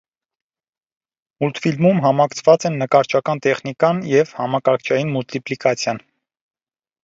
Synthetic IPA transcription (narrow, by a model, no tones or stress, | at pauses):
mult̪filmumɦɑmɑkt͡sʰvɑt͡sɛnːəkɑɾt͡ʃʰɑkɑnt̪ɛχnikɑnjɛvhɑmɑkɑɾkʰt͡ʃʰɑjinmult̪iplikɑt͡sʰjɑn